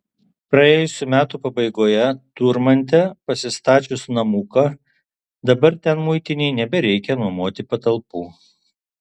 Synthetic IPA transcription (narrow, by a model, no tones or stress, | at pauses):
pɾɐeːjʊsʲuːmʲæːt̪uːpɐbɐɪɡoːjɛt̪uːɾmɐnʲt̪̬ʲɛpɐsʲɪst̪ɑːt͡ʃʲʊsnɐmuːkɑ | d̪ɐbɐɾt̪ʲɛnmʊɪt̪ʲɪnʲɛɪnʲɛbʲɛɾʲɛɪkʲɛnuɔmoːt̪ʲɪpɐt̪ɐlˠpuː